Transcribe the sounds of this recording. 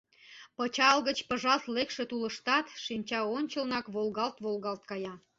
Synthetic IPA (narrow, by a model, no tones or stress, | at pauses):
pət͡ɕɑlɣət͡ɕpəʒɑlt̪lekʃet̪uləʃt̪ɑt̪ʃimʲt͡ɕɑonʲt͡ɕəlnɑkβolɣɑlt̪βolɣɑlt̪̚kɑjɑ